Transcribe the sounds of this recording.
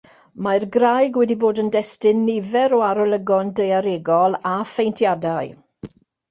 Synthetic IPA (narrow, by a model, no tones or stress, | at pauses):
marɡrajɡwɛdiboːdəndɛstɪnːɪvɛɾɔaɾɔlˠəɡɔndejaɾeɡɔlˠafejntʰjadaɨ